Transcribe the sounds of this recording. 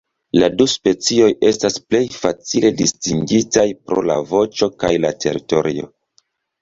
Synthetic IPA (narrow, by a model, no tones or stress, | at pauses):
laduspe̞t͡sio̞je̞stasple̞jfat͡sile̞distiŋɡitajpɾo̞̰la̰vo̞t͡ʃo̞kajlatʰe̞̰ɾito̞ɾio̞̰